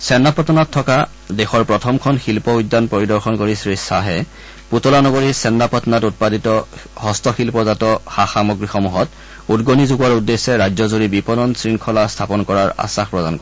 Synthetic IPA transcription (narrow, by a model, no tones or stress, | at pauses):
sɛnːapɔtɔnɔtʰːɔka | dɛxɔɹpɹɔtʰɔmkʰɔnxilpɔujdːanpoɹidɔɹxɔnkoɹisɹisaɦɛ | putɔlanɔɡoɹisɛnːapɔtɔnatut̚paditɔhɔstɔxilpɔzatɔxaxamɔɡɹixɔmuɦɔt | udɡonizuɡuwaɹudːesːɛɹajzɔzoɹibipɔnɔnsɹiŋkʰɔlastʰapɔnkɔɹaɹa̰saxpɹɔdankɔɛ